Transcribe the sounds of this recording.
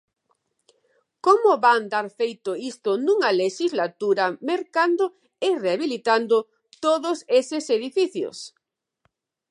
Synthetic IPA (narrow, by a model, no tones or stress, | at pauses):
komʊβand̪aɾfejt̪ʊist̪ʊnũŋɐleʃizlat̪uɾɐmeɾkand̪ʊ | ɪreaβilit̪and̪ʊ | t̪oðʊsesɪseðifiθjo̰s